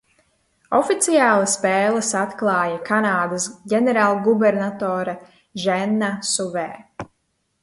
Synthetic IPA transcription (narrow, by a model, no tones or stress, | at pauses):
ɔfit̪sijaːlˠaspɛːlˠəsat̪klˠɑːjakanaːd̪asɟʲɛnɛɾaːlˠɡubɛɾnat̪ɔːɾa | ʒɛnːasuvɛː